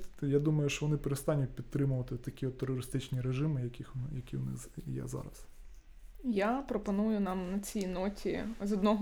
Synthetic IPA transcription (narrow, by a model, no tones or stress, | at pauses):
jad̪umɐjʊʃt͡ʃɔʋɔnɪpeɾest̪ɑnʲʊt̚ʲpʲid̪t̪ːɾɪmʊʋɐt̪ɪt̪ːɐkʲiɔt̪ːerɔɾɪst̪ɪt͡ʃnʲiɾeʒɪmɪjɐkʲixjɐkʲiwnɪ̰jɛ̰zɑ̰ɾɐ̰s | japɾɔpɔnujʊnɑmnɐt͡sʲijnɔtʲʰizɔd̪nɔɦ